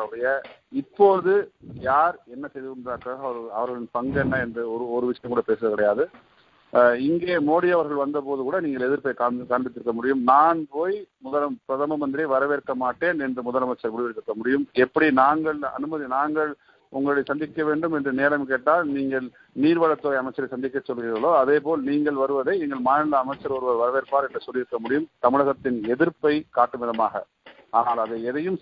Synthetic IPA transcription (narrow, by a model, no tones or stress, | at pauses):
ɽɐjɐɪpːoːɾɐðɯjaːɾɛnːɐsɛjðɯkɯnðaːɾkaːɣɐɐɐɾɯɐʋɐɾɣɐɭɪnpɐŋɡnːɐɛndɯɔɾɯɔɾɯʋɪʂɐjɐmkuːɽɐpeːsɐðɯkɐɽɐjaːðɯ | ɪŋɡeːmoːɽiɐʋɐɾɣɐɭʋɐnd̪ɐpoːðɯkuːɽɐniːŋɡɐɭɛðɪɾpoːjkaːkaːɳbɪt̪ːɪɾɯkːɐmʊɽɪjɯmnaːnpoːjmʊðɐlɐmpɾɐðɐmɐmɐnd̪ɪɾɐʋɐɾɐʋeːɾkːɐmaːʈːeːnɛndrɐmʊðɐlɐmɐt͡ʃːɐɾkʊɽɪʋɛɽt̪ːɪɾɯkːɐmʊɽɪjɯmɛpːɐɽinaːŋɡɐɭɐ̰nɯmɐðinaːŋɡɐɭ | ʔʊŋɡɐɭɐɪsɐnd̪ɪkːɐʋeːɳɖɯmɛndrɯneːlɐmk̬eːʈːaːlniːŋɡɐɭ | niːɾʋɐɻɐt̪ːoːjɐmɐɪt͡ʃːɐɾɐsɐnd̪ɪkːɐt͡ʃːɔlːɣɪrɐloːɐðeːp̬oːlniːŋɡɐɭʋɐɾɯʋɐðɐɪɛŋɡɐɭmaːnɐlɐɐmɐɪt͡ʃːɐɾɔɾɯʋɐɾʋɐɾɐʋeːɾpaːɾɛndrɐsɔlːɪɾɯkːɐmʊɽɪjɯmt̪ɐmɪɻɐɣɐt̪ːɪnɛðɪɾpɐɪkaːʈːɯmɪðɐmaːɣɐ̰ | aːnaːlɐðɐɛðɐjɯm